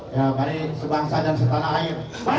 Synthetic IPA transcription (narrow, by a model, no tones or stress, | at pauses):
jabaɾisəbaŋsadansət̪analaɪn